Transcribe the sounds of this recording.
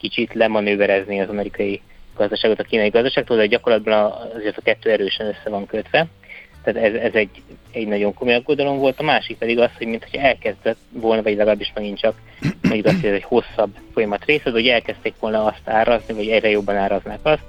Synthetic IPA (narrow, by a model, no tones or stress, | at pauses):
kit͡ʃit̪lɛmɒnøːvɛɾɛzniɒzɒmɛɾikɒji | ɡ̥ɒzd̪ɒʃaːɡot̪ɒkiːnɒjiɡɒzd̪ɒʃaːɡ̚kt̪old̪ɛɟɒko̞rlɒd̪̚bɒnːzeːrt̪ɒkɛt̪ːøːɛɾøːʃɛnøsːɛvɒŋkøt̪ʋɛ | t̪aːt̪ɛzɛzɛɟɛɟnɒɟo̞ŋko̞mo̞jɒɡːod̪ɒlo̞mvo̞lt̪ɒmaːʃik̚pɛd̪iɡɒsho̞ɟmint̪ʰo̞cʰɒɛlkɛzd̪ɛt̪ʋo̞lnɒvɒɟlɛɡɒlaːbːiʃmɛɡint͡ʃɒk | moɲɟukɒst̪hoɟɛzɛcho̞sːɒbfo̞jɒmɒt̪reːsɛd̪ɛɦoɛlkɛst̪eːkʋo̞lnɒɒst̪aːɾʔɒznivɒɟɛɟrɛjo̞bːɒnaːɾɒznaːkɒst̪